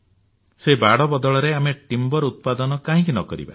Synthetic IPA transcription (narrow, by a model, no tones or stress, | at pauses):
sebaɽɔbɔd̪ɔɭɔɾeameʈimbɔɾut̪̚pad̪ɔnɔkaɦĩk̬inɔkɔɾḭba̰